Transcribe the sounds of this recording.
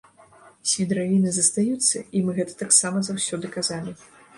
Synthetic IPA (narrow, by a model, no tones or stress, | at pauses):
sʲvʲid̪ɾavʲinɨzɐst̪ajut̪sːɐimɨɣɛt̪ɐ̥t̪aksamɐzawsʲɔd̪ɨkazalʲi